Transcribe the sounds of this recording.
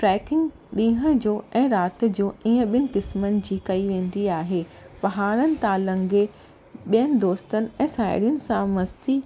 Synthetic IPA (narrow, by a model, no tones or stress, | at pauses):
ʈɾɛːkɪ̃ŋɡ | ɗĩːɦəd͡ʑoːɛ̃ːɾaːt̪ɪ̆d͡ʑoːiːə̃ɓiənɪ̆kɪsmənɪ̆d͡ʑiːkɐiʋẽːn̆d̪iaːɦeːpɐɦaːɾənɪ̆t̪aːlɐ̃ŋɡe | ɓijənɪ̆d̪oːst̪ənɪ̆ɛ̃ːsaːɪ̰ɾijənɪ̆sãmɐst̪i